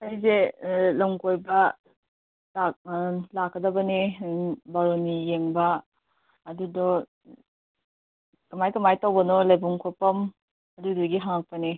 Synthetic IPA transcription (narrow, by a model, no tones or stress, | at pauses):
ajzelɐŋkojbɐ | laklakʰːɐdɐbɐne | baɾonijeŋbɐː | dudɔ | kɐmajkɐmajtawbɐnɔlajbɔŋkʰɔpɐm | ɐduduɡiɦaŋak̚pɐne